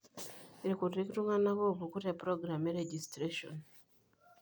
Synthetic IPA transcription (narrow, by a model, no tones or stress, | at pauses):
iɾikurɾikiɾumanakoβukuɾepɾoɡɾameɾeɟistɾeʃo̰n